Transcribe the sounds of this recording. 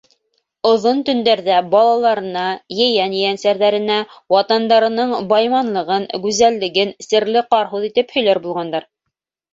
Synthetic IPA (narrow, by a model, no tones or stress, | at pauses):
ŏðont̪ɵ̆nd̪æɾðæbɑlˠɑlˠɑɾɤ̆nɑjɘ̆jænjɘ̆jænsæɾðæɾɘ̆næwɑt̪ɑnd̪ɑɾɤ̆nɤɴbɑjmɑnlˠɤ̆ʁɤnɡʉzælːɘ̆ɡɘnsɘ̆ɾlɘqɑɾɦuðit̪ɘphɵ̆jlæɾbulˠʁɑnd̪ɑɾ